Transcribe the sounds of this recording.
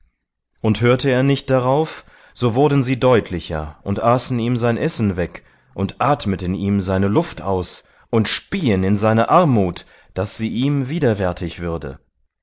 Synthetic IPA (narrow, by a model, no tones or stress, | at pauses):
ʔʊnthøːɐtəeːɐnɪçt̚d̥aʁaʊf | z̥oːvʊɐdn̩ziːdɔʏtʰlɪçɐ̰ʔʊntʔaːsn̩iːmzaɪnʔɛsn̩vɛk | ʔʊntʔaːtmətəniːmzaɪnəlʊftʔa̰ʊs | ʔʊntʃpiːənɪnzaɪnɐʔaɐmuːt | d̥asz̥iːʔiːmviːdɐvɛɐtʰɪçv̥ʏɐdə̰